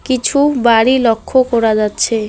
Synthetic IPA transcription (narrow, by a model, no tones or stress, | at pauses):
kit͡ɕʰubaɽilokʰːokɔɾad͡ʑatːɕʰe